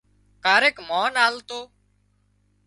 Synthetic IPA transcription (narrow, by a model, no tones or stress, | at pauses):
kaːɾeːkmoːnaːlt̪oː